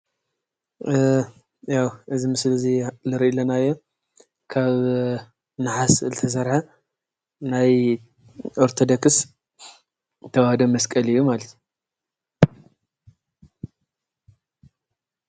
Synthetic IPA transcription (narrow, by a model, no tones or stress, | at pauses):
jawʔɨzimɨslzilɨɾʔilɐnajo | kʰaβ | naħaslɨt̪ʰɐs̬ɐɾħa | naj | ʔoɾt̪ʰod̪okɨs | t̪ʰɐwahd̪omːɐskʼɐlɨjːumalɐt̪ʰju